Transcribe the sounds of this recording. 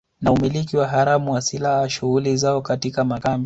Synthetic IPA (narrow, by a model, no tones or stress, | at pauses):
naumilik̬iwaɦaɾamuwasilahaʃuɣulizaɔkatikamakamb